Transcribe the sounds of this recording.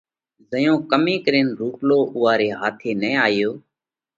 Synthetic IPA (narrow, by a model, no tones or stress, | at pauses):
zəjõːkəmẽːkɾeːnɾuːploːʔʊːʋaːɾeːɦaːt̪ʰeːnɛ̃ːaːɪjoː